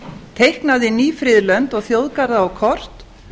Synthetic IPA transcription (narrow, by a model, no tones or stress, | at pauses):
t̪ʰejhknaðɪniːfɾɪðlœnt̪ɔɣθjowðkaɾðaːwkʰɔr̥t̪